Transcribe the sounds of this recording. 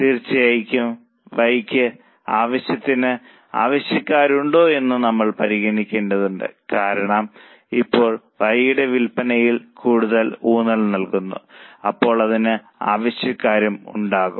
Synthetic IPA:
t̪iːrt͡ɕːijɐjkʲːum | ʋɐjkʲːɨ | aːʋɐɕjɐt̪ːinɨ | a̰ːʋɐɕjɐkːaːɾuɳɖo̞ːe̞nːunɐmːɐɭpɐɾiɣɐnikʲːe̞ːnɖɐðuɳɖɨ̰kaːɾɐɳɐm | ipːo̞ːɭ | ʋɐjjuɽe̞ʋilpɐnɐjilkuːɽuðɐluːnɐlnɐlkunːṵɐpːo̞ːɭɐðinɨ | a̰ːʋɐɕjɐkːaːɾɐmṵɳɖaːɣṵmm

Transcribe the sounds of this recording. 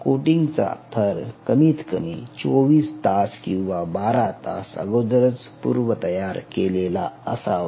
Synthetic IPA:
koʈiŋɡt͡sa̰t̪ʰəɾkəmiːt̪kəmit͡soʋiːst̪askĩw̃ʋabaɾat̪a̰sə̰ɡəwd̪əɾət͡s | pṵɾʋət̪əjaɾkelelaəsa

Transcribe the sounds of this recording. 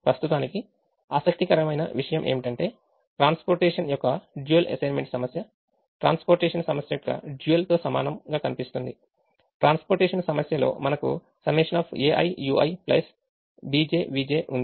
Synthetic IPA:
pɾɐst̪ut̪aːniki | aːsɐk̚t̪ikɐɾɐmɐjnɐ̰ʋiʂɐjɐmʔeːmiʈɐɳʈe̞ː | ʈɾaːnspoːɾʈeːʂɐnjɔkːɐd͡ʒuelʔɐ̰sɐjnmeɳʈsɐmɐsjɐ | ʈɾa̰ːnspoɾʈeːʂɐnsɐmɐsjɐjɔkːɐ̰d͡ʒuːelt̪o̞ːsɐma̰ːnɐmɡaːkɐnipist̪und̪i | ʈɾaːnspoɾʈeːʂɐnsɐmɐsjɐlo̞̰ːmɐnɐkṵ | sɐmeːʂɐnaːpʰeːʔɐ̰jjuːʔɐ̰jplɐ̰s | biːd͡ʒeːbiːd͡ʒeːʔund̪i

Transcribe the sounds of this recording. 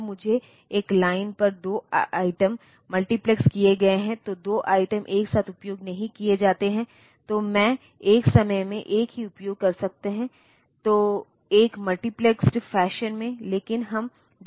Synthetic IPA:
mʊd͡ʒʱe | eːklaːɪnpɐɾd̪oːaːɪʈəmː | ɐlʈiplɛkskieɡɐeɦɛ̃t̪od̪oːʔaːɪʈəmʔeːksaːt̪ʰʊpjoːɡnɐɦĩkied͡ʒaːt̪eɦɛ̃ | t̪oːmɛ̃ː | eːksɐməjmḛ̃ʔeːkɦiʊpjoːɡ̚kɐɾsɐk̚t̪eɦɛ̃ | t̪oː | eːkmɐlʈipleksʈfɛːʃənmẽleːkɪnɦɐm | d̪

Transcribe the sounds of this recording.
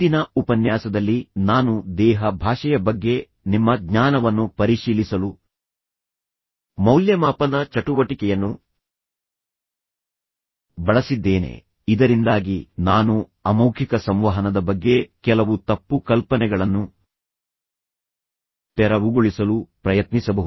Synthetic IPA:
t̪inɐupɐnjaːsɐd̪ɐlːinaːnud̪ɛːɦɐbʱaːʂɐjɐbɐɡːe̞ | nimːɐɡɲaːnɐʋɐnːupɐɾiʃiːlisɐlu | mɐwljɐmaːpɐnɐt͡ʃɐʈuʋɐʈikɛjɐnːu | bɐɭɐsid̪ːeːnḛ | id̪ɐɾind̪aːɡinaːnuɐmɐwkʰikɐsɐmʋɐɦɐnɐd̪ɐbɐɡːe̞kɛlɐʋut̪ɐpːukɐlpɐnɛɡɐɭɐnːu | t̪ɛɾɐʋuɡuɭisɐlupɾɐjɐt̪nisɐbɐɦuu

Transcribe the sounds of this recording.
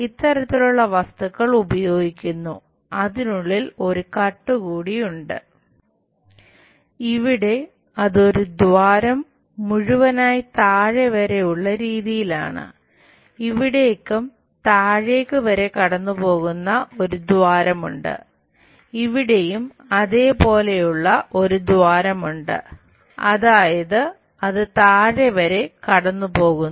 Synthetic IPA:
it̪ːɐɾɐt̪ːiluɭːɐʋɐst̪ɐɣːɐɭubɐjo̞ːɡikʲːunːṵ | ɐðinuɭːilo̞ɾukɐʈːɨkuːɽijuɳɖɨ̰ | iʋiɽe̞ | ɐðo̞ɾud̪ʋaːɾɐmː | uɻuʋɐnaːjt̪aːɻeʋɐɾe̞juɭːɐɾiːðijila̰ːɳɨ̰ | iʋiɽe̞kːum | t̪aːɻe̞ːkːɨʋɐɾe̞kɐɽɐnːupo̞ːɣunːɐo̞ɾud̪waːɾɐmṵɳɖɨ̰ | iʋiɽe̞jum | ɐðe̞ːpo̞ːle̞juɭːɐʔo̞ɾud̪waːɾɐmuɳɖɨ̰ | ɐ̰ðaːjɐðɨ | ɐðɨt̪aːɻeʋɐɾe̞kɐɽɐnːupo̞ːɣun

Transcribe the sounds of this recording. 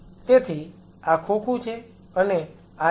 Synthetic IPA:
t̪et̪ʰi | akʰokʰũt͡ʃʰe | əne | a

